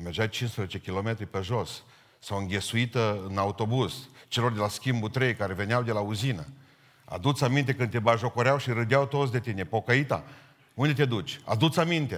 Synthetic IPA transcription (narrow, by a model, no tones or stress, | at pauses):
merd͡ʒajt͡ʃinspɾezet͡ʃekʲilo̞me̞t̪ɾipeʒo̞s | sawɨŋɡʲe̞suit̪əɨnaut̪o̞buz̥t͡ʃe̞lo̞rd̪e̞laskʲimbut̪ɾejkaɾe̞ve̞neawd̪e̞lauzinə | a̰d̪ut̪samint̪e̞kɨnt̪e̞baʒo̞koɾeawʃiɾɨd̪jawt̪o̞t̪sd̪e̞t̪ine̞po̞kəit̪a̰ | und̪e̞t̪ed̪ut͡ʃʲa̰d̪ut̪samint̪e̞